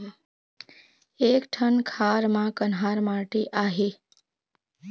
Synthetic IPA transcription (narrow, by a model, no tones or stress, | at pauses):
ekʈʰənkʰaɾmãkənɦaɾmaʈeʔaɦe